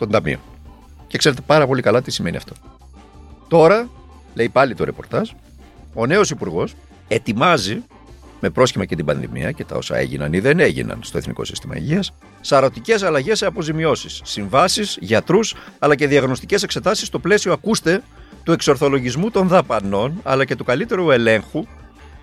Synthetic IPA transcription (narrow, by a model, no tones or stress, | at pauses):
t̪o̞nd̪ɐmḭo̞̰ | cekse̞ɾet̪̬e̞pɐɾɐpo̞likɐlɐt̪isime̞nḭɐ̰ft̪o̞̥ | t̪o̞ɾɐ | le̞ipɐlit̪o̞ɾe̞po̞̰ɾt̪ɐs | o̞ne̞o̞sipuɾɣo̞s | e̞t̪imɐzi | me̞pɾo̞sçimɐcet̪ibɐnðḭmḭɐ̰ce̞t̪ɐ̰o̞̰sɐ̰ḛʝḭnɐ̰niðe̞ne̞ʝḭnɐ̰nst̪o̞eθnḭko̞̰si̥̰st̪imɐ̰ḭʝiɐsː | ɐɾo̞t̪ice̞sɐlɐʝe̞seɐpo̞zimio̞sisːiɱvɐsisʝɐt̪ɾusɐlɐce̞ðiɐɣno̞st̪ice̞se̞kse̞t̪ɐsist̪o̞ple̞sio̞ɐkust̪e̞ | t̪ue̞kso̞ɾθo̞lo̞ʝizmut̪o̞nðɐpɐno̞nɐ̰lɐce̞t̪ukɐlit̪e̞ɾue̞le̞ŋxu